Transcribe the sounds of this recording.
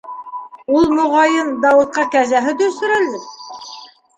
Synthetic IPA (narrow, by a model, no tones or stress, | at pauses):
ulˠmoʁɑjɤnd̪ɑwɤ̆t̪̚qɑkæzæɦɘt̪ɵ̆sɵ̆ɾæld̪ɘ